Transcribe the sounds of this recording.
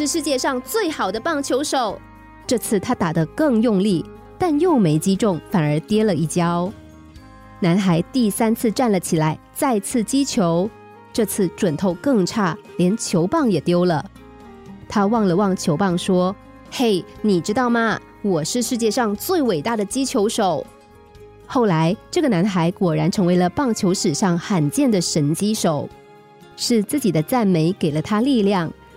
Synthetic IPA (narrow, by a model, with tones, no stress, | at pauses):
ʂɻ̩˥˧ʂɻ̩˥˧t͡ɕjɛ˥˧ʂɑ˥˧ŋt͡swe˥˩ɪxɑ˨˩ʊd̪ə˦pɑ˥˩ŋt͡ɕʰjo˧˥ʊʂo˨˩˦ʊ | ʈ͡ʂɤ˥˧t͡sʰɹ̩˥˩t̪ʰa˥t̪a˨˩d̪ə˦kɤ˥˧ŋjʊ˥˧ŋli˥˩ | t̪a˥˧njo˥˩ʊme˧˥ɪt͡ɕi˥ʈ͡ʂʊ˥˩ŋfa˨˩nə˞˧˥t̪jɛ˥lə˨i˥˩t͡ɕjɑ˥ʊ | na˧˥nxa˧˥ɪt̪i˥˩sa˥nt͡sʰɹ̩˥˧ʈ͡ʂa˥˩nlə˩t͡ɕʰi˨˩la˧˥ɪt͡sa˥˧ɪt͡sʰɹ̩˥˩t͡ɕi˥t͡ɕʰjo˧˥ʊ | ʈ͡ʂɤ˥˧t͡sʰɹ̩˥˩ʈ͡ʂwə˨˩nt̪ʰo˥˧ʊkɤ˥˧ŋʈ͡ʂʰa˥˩ljɛ˧˥nt͡ɕʰjo˧˥ʊpɑ˥˩ŋjɛ˨˩t̪jo˥ʊlə˨˩ | t̪ʰa˥wɑ˥˩ŋlə˩wɑ˥˩ŋt͡ɕʰjo˧˥ʊpɑ˥˩ŋʂwɔ˥ | xe˥˩ɪni˨˩ʈ͡ʂɻ̩˥t̪ɑ˥˩ʊmɐ˨ | wɔ˨˩ʂɻ̩˥˧ʂɻ̩˥˧t͡ɕjɛ˥˧ʂɑ˥˧ŋt͡swe˥˩ɪwe˨˩ɪt̪a˥˩d̪ə˩t͡ɕi˥t͡ɕʰjo˧˥ʊʂo˨˩˦ʊ | xo˥˩ʊla˧˥ɪʈ͡ʂɤ˥˩ɡə˩na˧˥nxa˧˥ɪkwɔ˨˩ɻa˧˥nʈ͡ʂʰɤ˧˥ŋwe˧˥ɪlə˧pɑ˥˩ŋt͡ɕʰjo˧˥ʊʂɻ̩˨˩ʂɑ˥˩ŋxa˨˩nt͡ɕjɛ˥˩nd̪ə˩ʂə˧˥nt͡ɕi˥ʂo˨˩ʊ | ʂɻ̩˥˧t͡sɹ̩˥˩t͡ɕi˨˩d̪ə˦t͡sa˥˩nme˧˥ɪke˨˩ɪlə˦t̪ʰa˥li˥˧ljɑ˥˩ŋ